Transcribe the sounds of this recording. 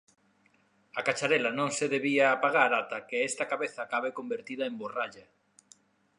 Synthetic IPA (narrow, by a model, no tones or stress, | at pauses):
akat͡ʃaɾelɐnõŋseðeβiaːpaɣaɾat̪ɐkeɛst̪ɐkaβeθakaβekombeɾt̪iðɐemboraʎɐ